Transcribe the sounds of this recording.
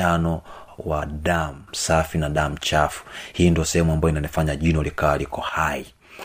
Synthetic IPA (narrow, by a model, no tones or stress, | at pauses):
anɔ | waɗam̩safinaɗam̩t͡ʃafu̥hiːndiɔsɛhɛmuambajɔinanɛfaɲaʄinɔlikawalikɔhai